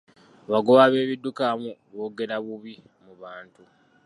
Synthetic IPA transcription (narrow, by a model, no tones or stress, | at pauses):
βaɡo̞βaβe̞ːβidːukamu | βo̞ːɡe̞ɾaβuβi | muβaːntu